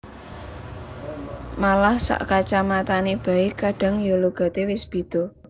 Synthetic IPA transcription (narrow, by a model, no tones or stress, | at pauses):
malahsa̰ʔkat͡ʃamat̪aneb̥a̤ikaɖ̥a̤ŋjoloɡ̥a̤t̪ewɪsb̥i̤d̪̥ɔ̤